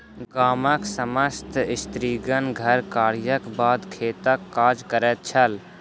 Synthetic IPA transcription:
ɡaːməksəməst̪ʰɪst̪ɾiːɡənɡʱəɾkaːɽjəkbaːd̪kʰeːt̪əkːaːd͡ʒkəɾɛt̪̚t͡ʃʰəl

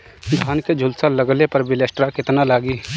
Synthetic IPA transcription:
d̪ʱaːnked͡ʒʱʊlsalɐɡlepɐɾbʱɪlesʈɾakɪt̪nalaːɡiː

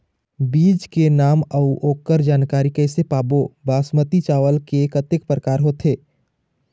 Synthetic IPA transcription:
biːd͡ʒkenaːməʊʔoːkːəɾd͡ʒaːnkaːɾikɛːsepaːbobaːsmət̪it͡ʃaːʋəlkekət̪ɪk̚pɾəkaːɾɦoːt̪ʰɦeː

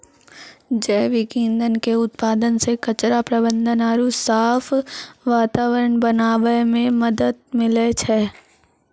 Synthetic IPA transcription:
d͡ʒɛːʋɪkĩːnd̪ənkeʊt̪̚paːd̪ənsekɐt͡ʃɾapɾɐbə̃nd̪ʱənaːɾusaːfʰʋaːt̪aːʋəɾəɳbənaːʋəjmẽmɐd̪əd̪̚mɪlet͡ʃʰɛː

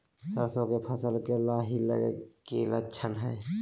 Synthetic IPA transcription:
səɾsõkepʰəsəlkelaɦilə̰ɡḛkilət͡ʃʰənɦɛj

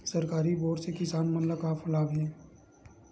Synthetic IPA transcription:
sɐɾkaːɾiboːʈsekɪsaːnmɐnləkaːfɐlaːbɛ̃ː

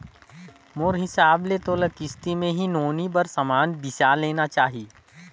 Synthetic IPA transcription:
moːɾɦɪsaːbleːt̪oːləkɪst̪imẽɦinoːnibəɾsɐmaːnb̪ɪsaːleːnat͡ʃaːɦieː

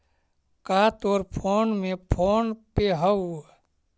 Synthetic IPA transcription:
kaːt̪oɾpʰoːnmẽpʰoːnpeɦə

